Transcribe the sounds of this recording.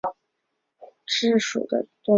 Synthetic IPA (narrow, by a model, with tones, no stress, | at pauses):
ʈ͡ʂɻ̩˥˩ʂṵ˨˩d̪ə̰˦t̪ʊ˥